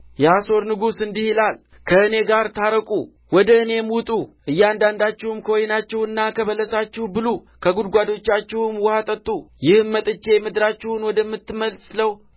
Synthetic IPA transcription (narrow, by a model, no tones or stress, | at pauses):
jɛaso̞ɾnɨɡusɨnd̪ihilal | kʰəɨne̞ɡaɾt̪ʰaɾəkʼu | wɔd̪əɨne̞mut̪ʼuʔɨjːand̪and̪at͡ʃːɛhʊmkʰəwɔjnat͡ʃːɛwɨnːakʰəβələsat͡ʃːɛhbɨlu | kʰəɡud̪ɡʷad̪o̞t͡ʃːat͡ʃːɛhʊmwɔhat̪ʼət̪ʼːujɪhmːət̪ʼɨt͡ʃːe̞mɨd̪ɾat͡ʃːɛhʊnwɔd̪əmːɨt̪ːɨməlsləw